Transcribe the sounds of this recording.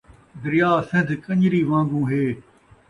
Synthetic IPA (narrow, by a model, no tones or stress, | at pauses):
d̪ɪɾɪjaːsɪ̃nd̪ʱkə̃ɲɾiːʋãːŋɡũːɦeː